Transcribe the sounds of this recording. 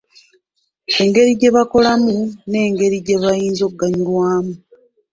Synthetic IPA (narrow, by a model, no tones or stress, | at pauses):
e̞ŋɡe̞ɾiɟe̞βako̞lamune̞ːŋɡe̞ɾiɟe̞βajiːnzoɡːaɲilwaːmu